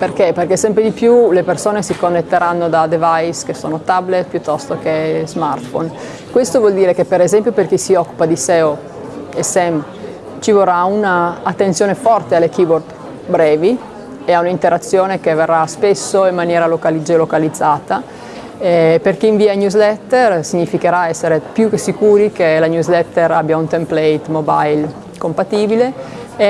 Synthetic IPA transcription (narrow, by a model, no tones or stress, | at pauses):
perkeperkesɛmpɾed̪ipjulepersoːnesikonːet̪ːeɾanːod̪ad̪evajskesoːnot̪ablet̪̚pjut̪ːɔst̪okezmart̪fo̰n | kwest̪ovwɔld̪iːɾekepeɾezɛmpjoperkisiɔkːu̥pad̪isɛːo | esɛm | t͡ʃivoraunaːt̪ːensjoːnefɔrt̪ealːekibord̪ | bɾɛːvi | eaunaint̪eɾat̪sːjoːnekeverːaspesːoimːanjɛːɾalokalid͡ʒelokalid̪zːaːt̪a | ɛperkiiɱviːaɲuzlɛt̪ːɛrsiɲːifikeɾaɛsːeɾepjukesikuːɾikelaɲuzlɛt̪ːɛɾabjaunt̪emplɛjt̪moba̰jl | kompat̪iːbile